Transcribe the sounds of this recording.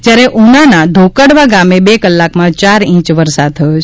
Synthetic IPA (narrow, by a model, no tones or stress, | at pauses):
d͡ʒjaɾeʔunanad̪ʱokəɽʋaɡamebekəlːakmãt͡ʃaɾĩt͡ʃʋəɾsad̪̚t̪ʰəjot͡ʃʰ